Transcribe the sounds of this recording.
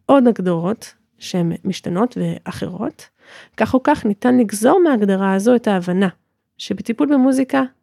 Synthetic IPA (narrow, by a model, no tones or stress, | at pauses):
ʔo̞daɡdoʁo̞t | ʃehemːiʃtano̞tveʔaχḛʁo̞̰t | kaχukaχnitanliɡzo̞ʁmeaɡdaʁaːzo̞etaːvana | ʃebetipulbemuzika